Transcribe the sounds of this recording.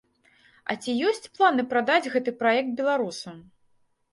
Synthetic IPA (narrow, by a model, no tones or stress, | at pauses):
ɐ̰t͡sʲijɔsʲt͡sʲplˠanɨpɾad̪ad͡zʲɣɛt̪ɨpɾajɛk̚t̪̚bʲɛlˠaɾusɐ